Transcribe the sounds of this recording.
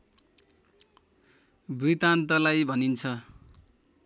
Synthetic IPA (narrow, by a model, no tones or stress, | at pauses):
brit̪ant̪ʌlajbʱʌnint͡sʰʌ